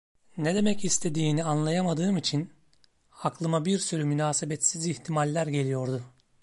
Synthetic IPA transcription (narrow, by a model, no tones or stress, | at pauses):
ned̪e̞mɛcist̪ʰe̞d̪iːnianlˠajamad̪ɯːmit͡ʃʰin | aklˠɯmabiɾsyɾymynaːsebɛt̪siziçt̪ʰimalʲːæɾɟe̞lʲijo̞ɾd̪ʊ